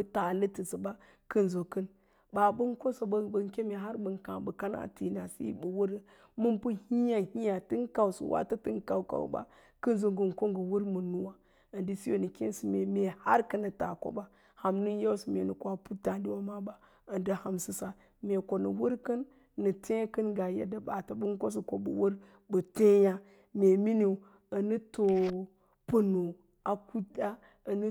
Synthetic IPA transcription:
ta˨lə˦tə˨sə˨ba˦ | kə˦nzo˨kə˦n | ba˨bə˦ŋ˦ko˦so˨bbə˨ŋ˦kʲe˦me˨a˦ɾbə˨ŋ˨kã˨bə˨ka˦na̰˨ti˨na˨sḭ˦bə˨wu˦ɾə˦ | mu˦npu˦hi˦ja˨hi˦ja˨tɨ˦ŋ˦ka˨wsṵ˨wʔa̰˦tə˦tɨ˦ŋ˦ka˨wka̰˨w̰ba̰˦ | kə˦nzo˨ŋɡə˨n˨ko˦ŋɡə˨wu˦ɾmu˨nu˦wa˨ | ə˨ndi˦si˦jo˨nə˨kʲḛ˦nsi˨me˨me˨ha̰˦ɾkə˦nːə˨ta̰˨ko̰˦ba˦ | ha˨mnu˦ja˦wsi˨me˨nə˨ka˨pu˦ta˨dwa˦ma˦ba˨ | ə˨ndə˦ha˨msi˨sa˨ | me˨ko˨nə̰˨wu˦ɾkə˦nː | ə˨te˦kə˦nɡa˨jḛ˦da˦ɓa˨ta˨bə˦ŋ˦ko˦s̬i˨ko˨bə̰˨wə˦ɾ | bə˨te˦ja˦ | me˨mi˦ne˨ | ə˨nə˦to˨ | pə˨no˨ | a˨ku˦da˦ | ə˨nə˦

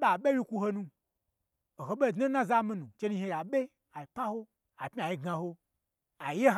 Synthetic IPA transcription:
ɓa˨ɓe˦wi˦kʷu˧ho˧nũ˧ | o˨ɦo˨ɓe˦˨dno˦nã˦za˦mĩ˦nũ˨t͡ʃe˦nũ˦˧hẽ˧ja˨ɓe˦ | a˨i˨pa˦ho˦ | a˨pmi˦a˨ji˦ɡã˧ho˦ | a˨je˦

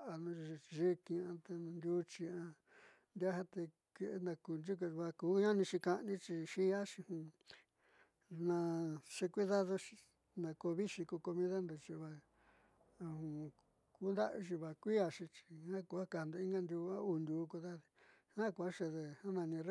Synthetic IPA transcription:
ʔa˧nũ˧i˧ʒi˦kĩ˧ã˧t̪e˧ñ˧nd̪ʲu˧˦t͡ʃi˧ã˧ | nd̪ja˦ɦa˦t̪e˧ | ke˧ʔnã˧ku˧nd͡ʒu˦k̬u˧βa˧ku˨˦ɲã˦nĩ˧t͡ʃi˧ka˧nĩ˦t͡ʃi˧ʃi˦a˦ʃĩ˧hũ˧ | nã˧ʂe˧kʷi˦ða˦ðo˧ʃi̥˧ | nã˧ko˧βi˦ʃi˧ku˧ko˧mĩ˦ða˦nd̪o˧t͡ʃi˧βa˧ | hũ˧ | ku˦nd̪a˦ʔʃ̬i˧βa˧kʷi˦a˧ʃĩ˧t͡ʃi̥˧hã˦ku˧a˦ka˧˨nd̪o˧ĩ˦ŋɡa˦˧nd̪ʲu˧ã˦u˧nd̪ʲuː˧˦˧kʷu˧ða˦ði̥˧ | hã˦ku˧a˦ʂe˧ðe˧hã˦nã˧nĩ˧ɾ

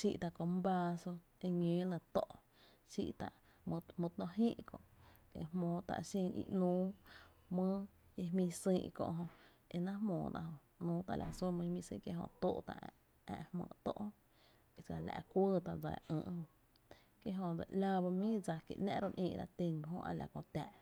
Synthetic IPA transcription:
ʃi˦˨ʔt̪a˨ʔko˧m˦ba˧so˧ | e˧ɲẽː˨˦lə̃˧t̪o˦˨ʔ | ʃḭ˦˧ʔt̪a˧˨ʔ | mũ˧t̪nõ˧ɦĩ˦ʔkõ˧˨ke˧˨hmõː˨t̪a̰˧˨ʔʃĩ˧nḭ˧nũː˦ | mə̃ː˦je˧mĩ˧sĩː˧ʔkõ̰˧ʔɦõ˧ | e˧nã˦ɦmõː˨t̪a̰˧ʔɦõ˧ | nũː˦t̪a˧˨lʔa˨su˦mə̃˧hmĩ˧sḭ̃ː˧kje˧ɦõ̰˧t̪oː˦ʔt̪a˨ʔ | ã̰˧ʔhmə̰̃ː˧˨t̪o˦ʔ | e˧˨sa˧˨la̰˧˨˧kʷə˦t̪a˨ʔd͡za̰˨ʔə̰̃ː˧˨ʔhõ˧ | kje˦ʔɦõ˧d͡za˨la˧ba˧mĩ˦d͡za˧kḭ˨ʔnã̰˦ʔɾo˧nʔĩː˧ʔɾa˧t̪e˧n˧˨ɦõ˧ʔa˧la˨kõ˧t̪a˨ʔ

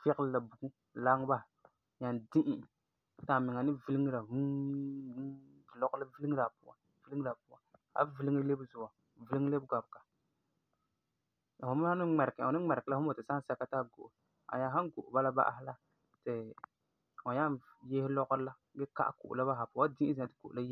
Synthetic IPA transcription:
fɪ˦kɪ˦lla˨bu˨ɡu˦ | la˦ŋ˦ba˦˨ | ɲa˨ndi˦ʔɪ˨ | ta˨mɪ˨ŋa˨nɪ˦vɨ˦li˦ŋ˦la˨˦˨ | lɔ˦ɡla˦vɨ˦li˦ŋ˦la˨pu˦wa̰˨ | vɨ˦li˦ŋɨ˦la˨pu˦a˨ | a̰˨˦vɨ˦li˦ŋ˦le˦bzʊ˨a˨ | vi˦li˦ŋ˦le˦bɡa˨bka˨ | a˨ho˨˦m˦ha˦nɨ˦ŋ͡mɛ˨ɾka˨nɨ˦ŋ͡mɛ˨ɾɪ˨kɨ˨la˦ʊ˦mo˨tɨ˨sa˦n˦sa˦ka˦ta˦ɡo˨ʔʊ˨ | a̰˨ja˦ɦa˦ŋ˦ɡo˨ʔʊ˨ba˦la˦ba̰˦ʔa̰˦ɦɪ˦la˦ | tɪ˨ | ɔ˨ɲa˦n | je˦hɪ˦lɔ˦ɣʊ˦ɾla˦ | ɡɛ˦ka̰˦ʔa̰˨kṵ˨ʔʊ̰˨la˦ba˦ɦa˨pu˨˦a˦di˦ʔɪ˦zi˨a˨tɨ̥˨ko˨la˦j

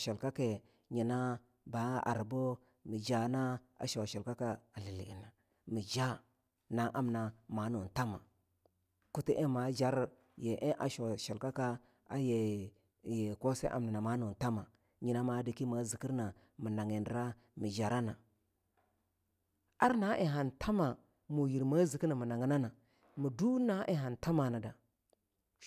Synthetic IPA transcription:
ʃa˨lka˦ke˨ | ɲi˨na˦ | ba˨˦a̰˨ɾbo˦ | mi˨d͡ʒa˦na˦ | a̰˨ʃo˨ʃa˨lka˦ka˦a˨li˨li˨i˨na˨ | mi˨d͡ʒa˦ | na˨ʔa˦mna˨ma˨˦nu˨n˨ta˦ma˨ | ku˦ti˦ʔe˦ma˨d͡ʒa˦ɾ | je˨ʔe˦ʔa̰˨ʃo˨ʃa˨lka˦ka˦ | a˦je˨ | je˨ko˦sḛ˦ʔa̰˨mna˨na˨ma˨˦no˨n˨ta˦ma˨ | ɲi˨na˦ma˨˦di˨ki˦ma˨zi˨ki˦ɾna˨ | mi˨na˨ŋe˨n˦ɾa˦ | mi˨d͡ʒa˨ɾa˦na˨ | a˦ɾna˨˦ʔe˨ɦa˨ntʰa˦ma˨ | mu˨ji˨ɾma˦zi˨ki˦na˨mu˨na˨ŋe˦na˦na˨ | mu˨du˦na˦ʔe˦ɦa˨nta˦ma˨na˨da˨

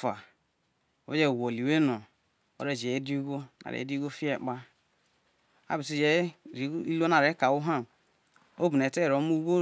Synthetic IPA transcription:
fa˨ | o˨˦e˦d͡ʒe˦˨wo˨li˨we˦no˨ | o̰˦ɾe˦˨d͡ʒe˨˦di˦ɡo˦na̰˨ɾḛ˨˦di˦ɡo˦fi˦e˨k͡pa˦ | a̰˦bi˨si˦d͡ʒe˦˨ɾi˨˦i˦lo˦na˨ɾe˨˦ka˨wu˦ɦa˦˨ | o˦bu˨n˨e˨te˦˨ɾo˨˦mu˦ɡo˦

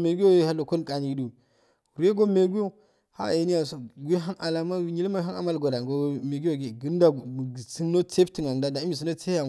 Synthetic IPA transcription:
me˨ɡu˦jo˦˨ha˦lo˨ko˦nkʼa˨ni˨du˨ | ɾu˨˦je˦ɡo˦me˨ɡu˦jo˦ | ha̰˦e˨˦ni˦ja˨so˨ɡʷe˦ɦa˦ʔa˨la˨ma˦wi˦ɲi˦lma˦ɦa˦na̰˨ma˦lɡo˨da˨ɡo˦me˨ɡu˦jo˦˨ɡe˨ɡi˦n˦da˨m˨si˦n˦no˦t͡se˦bti˨ŋa˨ŋ˨da˦da˨i˦mi˨s̬u˦no˦t͡se˦a˨

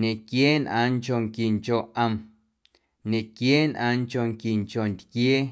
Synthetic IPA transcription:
nẽ˨kjeː˦nʔã̰ː˧ŋt͡ʃo˧˨ŋki˨ŋt͡ʃo˨ʔə˧m | ɲẽ˨kjeː˦nʔãː˧ŋt͡ʃo˧˨ŋki˨ŋt͡ʃo˨nt̪kjeː˦

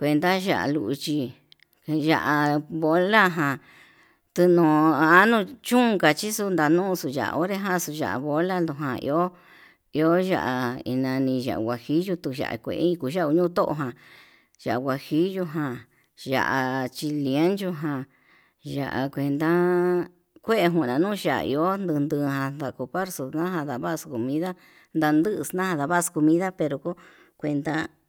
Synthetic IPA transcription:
kʷe˧nd̪a˦ʒa̰˧ʔa̰˧˨lṵ˧ʔu˧t͡ʃi˧ | ʒa˧ʔa˧βo˧˦la˦ɦã˧˨ | t̪u˧nõː˨a˦nũ˧t͡ʃũ˦˧ŋɡa˧t͡ʃi˦su˧nd̪a˧nũ˦˧su˧ʒa̰˨ʔa̰˧o˦ɾe˦ɦã˦su˧ʒa̰˨ʔβo˧la˦nd̪u˧˨ɦã˧ḭ˧o˦ | i˧o˦ʒa̰˧ʔa˧ḭ˧nã˧nĩ˧ʒa̰˨ʔɡʷa˨hi˦ʒu˧t̪u˧ʒa̰˨ʔa̰˧˨kʷḛ˨ʔĩ˧ku˧˦ʒa˦˧u˧ɲũ˦t̪o˦ʔo̰˧ɦã˨ | ʒ̥a˨ʔwʷa˨hi˦ʒu˧ɦã˧ | ʒa̰˧˨ʔa˨t͡ʃi˧li˧e˦nt͡ʃu˧ɦã˧ | ʒa̰˧˨ʔa̰˨kʷe˧nd̪a˦ | kʷe˦e˧ɦũ˧˨nã˨nũː˦˧ʃa˨a̰˧ḭ˧o˦nd̪ɨ˧nd̪ɨ˧hã˧nd̪a˧ko˧pa˦ɾso˨nã˦ɦã˧d̪a˧βa˦˧sko˨mĩ˦ða˦ | nd̪a˧nd̪ɨ˦ʔsnã˦hã˧ða˧βa˦sko˧mĩ˦ða˦pe˧ɾo˧ko˦ | kʷe˧nd̪a˦

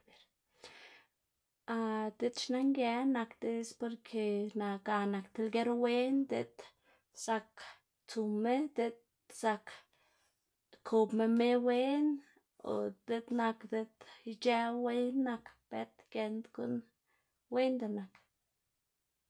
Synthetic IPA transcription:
e˨ɾ | a˧t̪e˦t̪t͡ʃna˦ŋɡjɛ˧˦na˧kt̪e˧˦spo˧ɾkʰe˧na˨ɡa˨na˨kt̪e˧lɡe˦ɾwe˦nd̪ḛ˧t̪ | sa˧k | t͡su˨me˦d̪e˧t̪̚ | sa˧k | kʰo˧bme˧me˦we˦n | o̰˨d̪e˧˦d̪na˧kd̪e˧t̪i˧t͡ʃe˦we˦nːa˧kb̥e˦t̪ke˧nd̪ɡu˦n | we˦nd̪e˧˨na˨k

